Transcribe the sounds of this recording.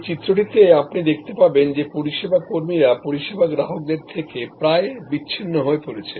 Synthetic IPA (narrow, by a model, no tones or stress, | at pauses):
t͡ɕit̪ːɾoʈit̪eapnid̪ekʰt̪epaɾbend͡ʑepoɾiʃebʱakoɾmiɾapoɾiʃebaɡɾaɦok̚d̪eɾt̪ʰekepɾaebiːɕʰinːoɦoepoɾet͡ɕʰe